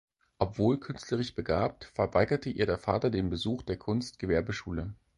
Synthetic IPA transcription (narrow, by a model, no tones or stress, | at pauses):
ʔɔpv̥oːlkʰʏnstʰləʁ̞ɪçb̥əɡaːp̚tfɛɐvaɪɡɐtəʔiːɐɾeːɐfa̰ːtɐdeːnbəzuːxd̥eːɐkʰʊnstɡ̥əvɛɐbəʃuːlə